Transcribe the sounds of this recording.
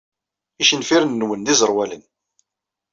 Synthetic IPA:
iʃənfiɾənːwənðizəɾˤwælən

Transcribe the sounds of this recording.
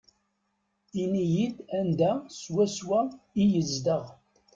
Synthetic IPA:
inijid̪ænd̪æswæswæijəzd̪əʁ

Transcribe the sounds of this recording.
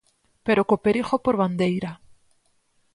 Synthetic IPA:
peɾokopeɾixopoɾβand̪ejɾa

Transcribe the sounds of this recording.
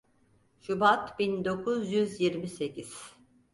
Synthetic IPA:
ʃubat̪bind̪o̞kʰuzjyzjiɾmise̞cʰiz̥

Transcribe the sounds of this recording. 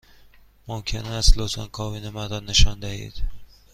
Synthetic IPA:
momkʲʰɪnaslosankʰɒvinɪmad̪ɒnːɪʃɒnd̪ahḭd̪̥

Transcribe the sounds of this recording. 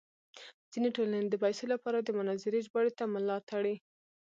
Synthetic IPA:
z̥ineʈolaned̪əbajsolapɑɾad̪əmʊnɑzɪɾeʒbaɽet̪amʊlɑt̪aɽi

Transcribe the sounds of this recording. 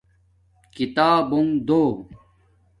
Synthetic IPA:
kit̪aːbuŋd̪oː

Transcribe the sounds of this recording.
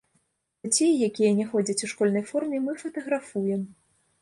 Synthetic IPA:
at͡sʲejːakʲijɐnʲɛxɔd͡zʲɐt͡sʲuʂkɔlʲnɐjfɔrmʲɛmɨfɐt̪ɐɣɾafujɛm

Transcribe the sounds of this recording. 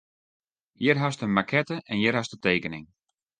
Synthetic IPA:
jɪrɦastəmakʰɛtəʔɛnjɪrɦastəteːkənɪŋ

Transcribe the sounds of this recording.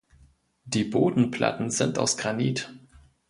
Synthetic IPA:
d̥iːboːdn̩pʰl̥ʔa̰tn̩zɪnta̰ʊsɡ̥ʁaniːt

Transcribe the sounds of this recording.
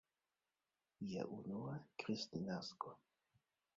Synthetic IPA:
ja̰ʔunuakɾistinasko

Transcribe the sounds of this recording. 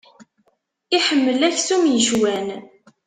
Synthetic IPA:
iħəmːəlæçθumjəʒwæn

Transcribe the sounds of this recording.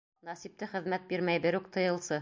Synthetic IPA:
nɑsip̚t̪ɘχɘ̆ðmæt̪̚biɾmæjbɘɾʉkt̪ɤ̆jɤ̆lˠsɤ

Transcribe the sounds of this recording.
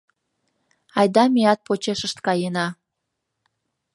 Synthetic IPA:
ɑjd̪ɑmiɑt̪̚pot͡ɕeʃəʃt̪kɑjenɑ

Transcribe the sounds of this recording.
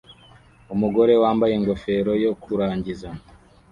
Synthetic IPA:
umuɡo̞ɾe̞waːmbaje̞ŋɡo̞fe̞ɾo̞jo̞kʰuɾaːɲɟiza

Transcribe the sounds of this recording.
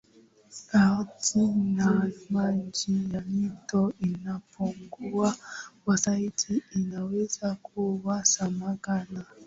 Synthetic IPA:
atinamaɲd͡ʒijamitɔinapʰuŋɡuakwasaitʰiːnawɛzakʰuwasamaɡana

